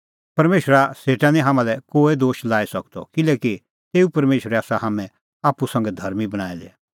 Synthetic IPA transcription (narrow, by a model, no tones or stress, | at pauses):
pɐɾmeːʃɾaseːʈanĩɦaːmãlɛkoːed̪oːʃlaːesɐkt̪ɔ̰kɪlɛːki | t̪eːupɐɾmeːʃɾɛaːsaɦaːmɛ̃ | aːpusɐ̃ŋɡɛd̪ʱɐɾmibɐɽ̃aːɛlɛ